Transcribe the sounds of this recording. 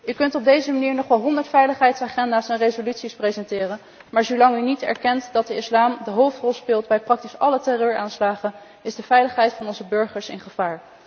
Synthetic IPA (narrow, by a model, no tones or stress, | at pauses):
ykɵntɔb̚dejzəmaniːɹnɔχʋɛlˠɦɔndəɹtfɛjləχɦɛjtsaːχɛndaːsɛnrejzolytsisprejzɛntɪːrən | maːɹzolɑŋynitɛ̰ɹkɛntdɑt̚dəɪslaːmdəɦowftrɔlˠspɪːlˠtbɛjprɑk̚tisɑlətɛrøːɹaːnslaːχən | ɪzdəvɛjləχɦɛjtfɑnɔnzəbɵɹχəɹsɪ̰nχəv̥aːɹ